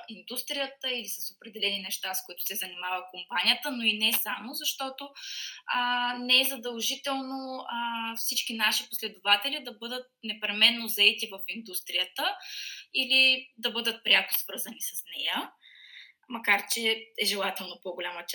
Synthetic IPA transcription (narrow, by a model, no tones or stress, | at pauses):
ind̪ust̪ɾijət̪əilisɐsopɾɛd̪ɛlɛninɛʃt̪askoit̪ʊ̥sɛzɐnimavəkompanijət̪ənoinɛsamozɐʃt̪ɔt̪oənɛɛzɐd̪ɐlˠʒit̪ɛlˠnoəfsit͡ʃkinaʃiposlɛd̪ʊvat̪ɛlid̪ɐbɤd̪ət̪̚nɛpɾɛmɛnːozɐɛt̪ivɐfind̪ust̪ɾijət̪əilid̪ɐbɤd̪ət̪̚pɾʲakʊ̥svɤɾzɐnisɐsnɛjə | mɐkaɾt͡ʃɛɛʒɛlˠat̪ɛlˠnopoɡolʲamət͡ʃ